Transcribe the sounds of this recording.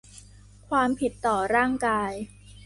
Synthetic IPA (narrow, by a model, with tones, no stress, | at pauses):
kʰwaː˧mpʰi˨˩t̪ːɔː˨˩ɾaː˥˩ŋkaː˧j